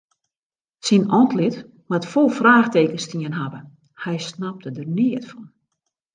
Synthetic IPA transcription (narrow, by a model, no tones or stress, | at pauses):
sinɔntlɪt | matfolˠfraːxteːkənstiənɦabə | hɛjsnap̚tədərniətfɔn